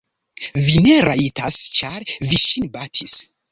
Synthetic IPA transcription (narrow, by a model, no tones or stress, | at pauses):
vine̞ɾaitast͡ʃaɾviʃinbatʰis